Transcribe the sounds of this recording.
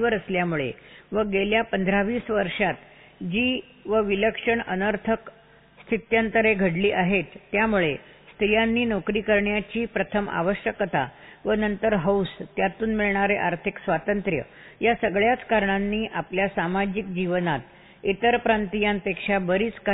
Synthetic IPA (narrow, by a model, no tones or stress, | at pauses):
ʋəɾəsljamuɭḛʋəɡeljapənd̪ʱɾaʋiːsʋəɾʂat̪ | d͡ʑiː | ʋəʋiləkʂəɳənəɾt̪ʰək | st̪ʰit̪jənt̪əɾeɡʱəɽliːʔaɦet̪ːjamuɭe | st̪ɾijanːiːnokɾiːkəɾɳjat͡ɕiːpɾət̪ʰəma̰ʋəɕjəkt̪a̰ʋənənt̪əɾɦəwst̪jat̪uːnmiɭɳaɾeʔaɾt̪ʰiksʋat̪ənt̪ɾjə̰ | jasəɡɭjat͡skaɾɳanːiːʔapljasamad͡ʑikd͡ʑiʋnat̪̚ | it̪əɾpɾant̪ijampekʂabəɾiːt͡ska